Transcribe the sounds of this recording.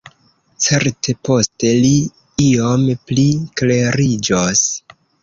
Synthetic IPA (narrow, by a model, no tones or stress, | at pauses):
t͡se̞ɾtʰe̞po̞ste̞li | iomplikle̞ɾid͡ʒos